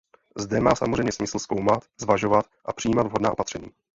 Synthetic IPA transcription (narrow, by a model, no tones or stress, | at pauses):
zdɛmaːsa̰morɛjmɲɛsmɪsl̩sko̞wmat̪zvaʒo̞vat̪ʔapr̥ɪjiːmad̪vɦo̞dnaːopat̪r̝̥ɛɲḭː